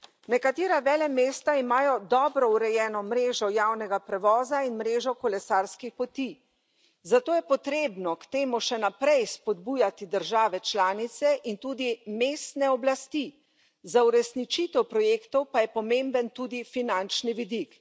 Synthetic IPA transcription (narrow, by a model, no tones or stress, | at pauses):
nɛkat̪eːɾaʋɛːlɛmeːst̪aimaːjɔd̪ɔːbɾɔuɾɛjɛːnɔmɾeːʒɔjaːwnɛɡapɾɛʋɔːzainmɾeːʒɔkɔlɛsaːɾskixpɔt̪i | zat̪oːjɛpɔt̪ɾeːbnɔkt̪eːmuʃɛnapɾɛjspɔd̪̚buːjat̪id̪əɾʒaːʋɛt͡ʃlaːnit̪sɛʔint̪uːd̪imeːst̪nɛɔblast̪i | zauɾɛsnit͡ʃit̪ɛwpɾɔjeːkt̪ɔwpajɛpɔmembənt̪uːd̪ifinant͡ʃniʋid̪ik